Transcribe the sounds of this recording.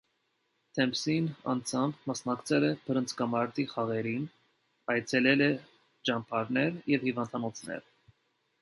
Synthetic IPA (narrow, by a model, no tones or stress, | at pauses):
t̪ʰɛmpsinɑ̰nd͡zʰɑmbmɑsnɑkt͡sʰɛlɛbʰəɾənt͡sʰkɑmɑɾt̪iχɑʁɛɾin | ɑjt͡sʰɛlɛlɛ | d͡ʒɑmpʰɑɾnɛɾjɛvhivɑnd̪ɑnɔt͡sʰnɛ̰ɾ